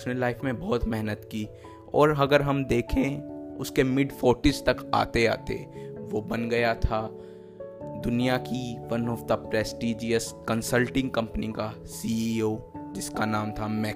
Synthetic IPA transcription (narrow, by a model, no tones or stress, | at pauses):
ʊsnelaːɪfmẽbɔːt̪mɛɦnət̪kiː | ɔ̰ːɾɦɐɡəɾɦɐmd̪eːkʰẽʊskemɪɖfoːʈɪst̪ɐka̰ːt̪ea̰ːt̪ḛʋobɐnɡɐjat̪ʰa | d̪ʊnijakifɐnɔːfd̪ɐpɾɛːsʈiːd͡ʒiəskɐ̃nsəlʈɪ̃ŋɡkɐ̃mpənika | siioːd͡ʒɪskanaːmt̪ʰamɛː